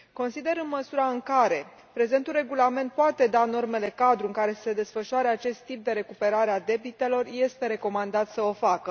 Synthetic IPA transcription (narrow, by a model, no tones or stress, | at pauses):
ko̞nsid̪e̞ɾɨnməsuɾaɨŋkaɾe̞ | pɾe̞ze̞nt̪ulre̞ɡulame̞nt̪̚poat̪e̞d̪ano̞rme̞le̞kad̪ɾuɨŋkaɾe̞sse̞d̪e̞sfəʃuaɾeat͡ʃe̞st̪ːip̚d̪e̞ɾe̞kupe̞ɾaɾead̪e̞bit̪e̞lo̞rje̞st̪e̞ɾe̞ko̞mand̪at̪səo̞fakə